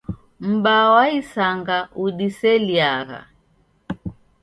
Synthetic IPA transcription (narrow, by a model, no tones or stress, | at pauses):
m̩bawaisaŋɡauɗisɛliaɣa̰